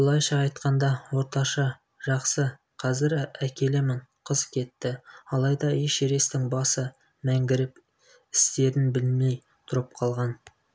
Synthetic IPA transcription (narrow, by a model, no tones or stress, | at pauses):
blˠɑjʃɑːjt̪qɑnd̪ɑwo̞ɾt̪ɑʃɑ | ʒ̥ɑqsə | qʰɑzɪɾækʲe̞lɪmɪɴqʰəzkʲʰe̞t̪ːɪɑlˠɑjd̪ɑeʃeɾe̞st̪ɪŋbɑsə | mæŋɡʲɪɾɪp | ɪst̪e̞ɾɪnbɪlme̞j | t̪ʰʊɾəp̚qʰɑlˠʁɑn